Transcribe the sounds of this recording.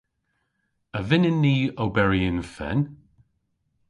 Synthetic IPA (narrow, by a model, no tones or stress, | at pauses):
əvɪnɪnːiːowbɛɹiɪnfɛ̰n